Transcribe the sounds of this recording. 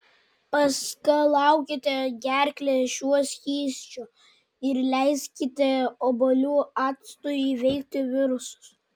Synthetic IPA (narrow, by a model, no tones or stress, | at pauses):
pɐskɐlˠɑʊkʲɪt̪ʲɪɡʲæɾʲkʲlʲeʃʲuɔsʲxʲiːsʲt͡ʃʲʊ | ɪɾlʲɛɪskʲɪt̪ʲɪobolʲuːɑːt̪st̪ujiʋʲɛɪk̚ʲt̪ʲɪʋʲɪɾʊsʊ̥s